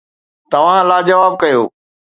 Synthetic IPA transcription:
t̪ɐʋ̤ãlaːd͡ʑɐʋaːb̚kɐjoː

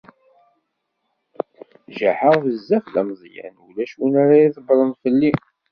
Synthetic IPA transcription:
ʒaħəʁðəzːæfðæmzˤjæ̰nulæʃwunaɾaiðəbɾˤənfəlːi

